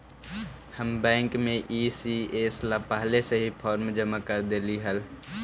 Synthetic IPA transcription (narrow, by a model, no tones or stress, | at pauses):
həmbɛ̃ːŋkmẽʔisieslapəɦleseɦipʰɔːɾmd͡ʒəmakəɾd̪eːliɦəl